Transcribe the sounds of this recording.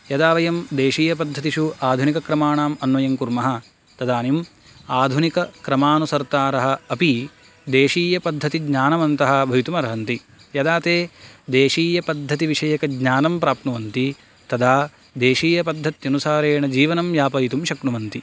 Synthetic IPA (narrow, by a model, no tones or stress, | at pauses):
jɐd̪aːʋɐjɐmd̪eːʃiːjɐpɐd̪ʱːɐt̪iʃuaːd̪ʱunikɐkɾɐmaːɳaːmɐnʋɐjɐŋkuɾmɐɦɐ | t̪ɐd̪aːnim | aːd̪ʱunikɐkɾɐmaːnusɐɾt̪aːɾɐɦɐ̆ːpi | d̪eːʃiːjɐpɐd̪ʱːɐt̪iɡɲaːnɐmɐnt̪ɐɦɐ̆bʱɐʋit̪umɐɾɐɦɐnt̪i | jɐd̪aːt̪eːd̪eːʃiːjɐpɐd̪ʱːɐt̪iʋiʂɐjɐkɐɡɲaːnɐmpɾaːp̚t̪nɐʋɐnt̪i | t̪ɐd̪aː | d̪eːʃiːjɐpɐd̪ʱːɐt̪jɐnusaːɾeːɳɐd͡ʒiːʋɐnɐmjaːpɐjit̪umʃɐknuʋɐnt̪i